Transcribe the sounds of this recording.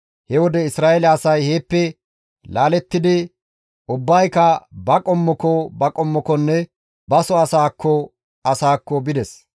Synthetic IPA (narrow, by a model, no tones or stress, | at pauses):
hɛwɔd̪ɛɪsɾaːɛlɐːsɐjhe̞ːpːɛ | laːlɛt̪ːɪd̪ɪ | ʔʊbːɐjkɐbɐkʼɔmːɔkɔbɐkʼɔmːɔkɔnːɛ | bɐsɔɐsaːkʰːɔ | ɐsaːkːɔbɪd̪ɛs